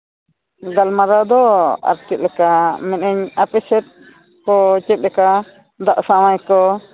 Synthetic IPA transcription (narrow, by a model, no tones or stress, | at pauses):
ɡalmaɾad̪ɔa̰ɾt͡ʃɛt̪̚lɛkamɛnɛɲapɛsɛt̪̚ | kɔt͡ʃɛt̪̚ɾɛka | d̪aʔsawajkɔ